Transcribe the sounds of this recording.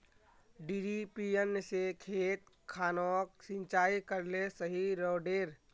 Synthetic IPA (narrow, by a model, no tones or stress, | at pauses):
ɖiːɖipiənsekʰeːt̪̚ | kʰaːnɔːk̚sɪ̃nt͡ʃaːikəɾlesəɦiɾɔːɖeːɾ